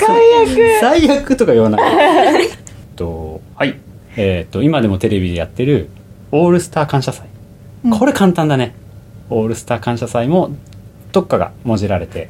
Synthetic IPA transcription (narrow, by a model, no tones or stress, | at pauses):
aijakɯzaijakɯ̟t̪o̞kajoana | t̪ohai | et̪ːo̞imad̪e̞mo̞t̪e̞ɾe̞bʲid̪e̞ja̰t̪ːe̞ɾɯ̟ | o̞ːɾɯ̟sɨ̥t̪aːkãɰ̃ɕasai | kʰo̞ɾe̞kãnt̪ãnd̪ane | o̞ːɾɯ̟sɨ̥t̪aːkãɕasaimo̞ | d̪̥o̞kːaɡa̰mo̞ʑiɾaɾe̞t̪e̞